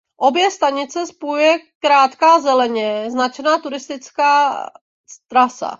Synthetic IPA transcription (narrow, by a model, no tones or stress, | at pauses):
ʔo̞bjɛst̪aɲɪt͡sɛspujujɛkɾaːt̪kaːzɛlɛɲɛznat͡ʃɛnaːt̪uɾɪst̪ɪt͡skaː | st̪ɾasa̰